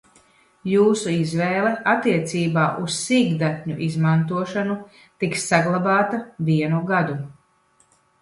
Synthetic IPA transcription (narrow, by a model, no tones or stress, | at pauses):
juːsuizvɛːlˠɛʔat̪ːiɛt̪siːbaːʔussiɡd̪at̪ʲɲuʔizmant̪uɔʃanu | t̪iksːaɡlˠabaːt̪avʲiɛnuɡad̪u